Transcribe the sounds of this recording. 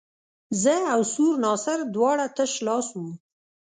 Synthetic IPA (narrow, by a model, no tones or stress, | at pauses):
zəawsuɾnɑsɪɾd̪wɑɽat̪əʃlɑsum